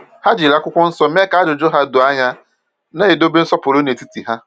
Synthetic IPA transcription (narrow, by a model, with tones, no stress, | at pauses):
ha˦d͡ʒi˨la˦kʷʊ˦kʷʊ˦n̩˦sɔ˦me˦ka˨˦dʊ˨d͡ʒo˦ɦa˦dʊ˨a˦ɲa˦ | ne˦e˨do˦be˦n̩˦sɔ˦pʊ˨ɾo˦ne˨ti˦ti˨ɦa˦